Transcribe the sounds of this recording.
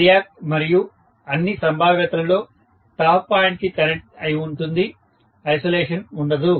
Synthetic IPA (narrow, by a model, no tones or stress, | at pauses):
ijaːk̚mɐɾiju | ɐnːisɐmbʱaːʋjɐt̪ɐɾɐlo̞ː | ʈaːpːaːjɳʈkikɐneʈɐjiuɳʈund̪i | ɐjsoleːʂɐnuɳɖɐd̪u